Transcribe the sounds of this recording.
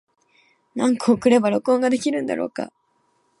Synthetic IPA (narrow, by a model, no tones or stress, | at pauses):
nãŋkaokɯ̟ɾe̞baɾo̞kɯ̟õ̞ŋɡad̪e̞kʲiɾɯ̟̃nd̪a̰ɾʔo̞̰ːka̰